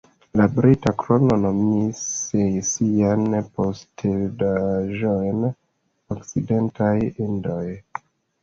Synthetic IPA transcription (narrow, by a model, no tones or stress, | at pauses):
labɾitakɾo̞no̞no̞misejsianpo̞stedaʒojn | okt͡side̞ntʰajindo̞j